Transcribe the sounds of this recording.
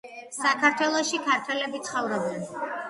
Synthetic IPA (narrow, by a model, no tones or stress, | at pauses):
sakʰaɾt̪ʰwɛlˠɔʃikʰaɾt̪ʰwɛlɛbit̪sʰχɔvɾɔbɛn